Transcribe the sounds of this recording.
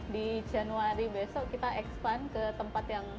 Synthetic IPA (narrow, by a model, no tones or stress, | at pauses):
did͡ʒanuaɾibesɔʔkit̪aʔɛkspankət̪əmpat̪jaŋ